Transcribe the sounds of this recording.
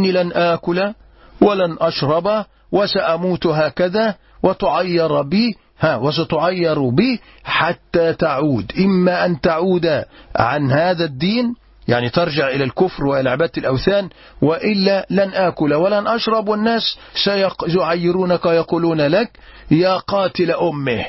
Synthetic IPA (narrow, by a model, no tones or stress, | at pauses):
ʔnːilanʔaːkʊla | wɪlanʔɑʃɾˤɑba | wɪsaʔamuːt̪ɦaːkaðaː | wɪt̪ʊʕajːɑɾˤbiː | haːwɪs̬at̪ʊʕajːɑɾˤbi | ħat̪ːaːt̪aʕuːd̪ʔɪmːaʔant̪aʕuːd̪aʕanhaːðad̪ːiːn | jaʕnit̪ɑɾˤd͡ʒɪʕʔɪlalkʊfɾwɪʔlʕabat̪ɪlʔawθaːn | wɪʔɪlːalanʔaːkʊlawɪlanʔaʃɾˤɑbwɪnːaːs | sajjʊʕajːɪɾuːnakajɑquːluːnalak | jaːqɑːt̪ɪlaʔʊmːɪh